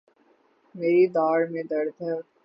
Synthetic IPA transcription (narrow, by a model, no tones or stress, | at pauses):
meːɾid̪aːɾmẽd̪ɐɾd̪ʱə